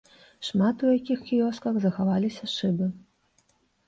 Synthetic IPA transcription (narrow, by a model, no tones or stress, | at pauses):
ʂmat̪ujakʲixkʲijɔskɐɣzɐxavalʲisʲɐʂɨbɨ